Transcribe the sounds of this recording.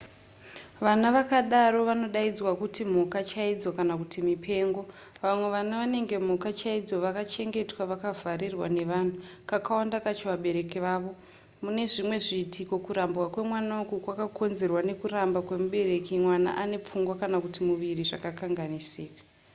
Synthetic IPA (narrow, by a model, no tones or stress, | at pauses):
ʋanaʋakaɗaɾo̞ʋano̞ɗaid͡zwakutim̤okat͡ʃaid͡zo̞kanakutimipʰe̞ːŋɡo̞ | ʋamwe̞ʋanaʋane̞ŋɡe̞m̤okat͡ʃaid͡zo̞ʋakat͡ʃe̞ŋɡe̞twaʋakavʱaɾirwa̰ne̞ʋan̤ukakawoandakat͡ʃoʋaɓe̞ɾe̞kiʋaːʋo̞ | mune̞ʐimwe̞ʐiːtʰiko̞kuɾambwakwe̞mwanaukukwakakʰo̞nze̞rwane̞kurambakwe̞muɓe̞ɾe̞kimwana̰ʔane̞p͡fuŋɡwakanakutimuʋiriʐakakaŋɡanisiːkḁ